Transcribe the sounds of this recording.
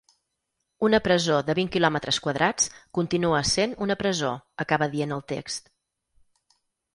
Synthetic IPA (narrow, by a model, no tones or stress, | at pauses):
unəpɾəzoðəβiŋkilɔmət̪ɾəskwəðɾʔat͡skunt̪inuəsenunəpɾəzoəkaβəðienəlˠt̪ḛkst̪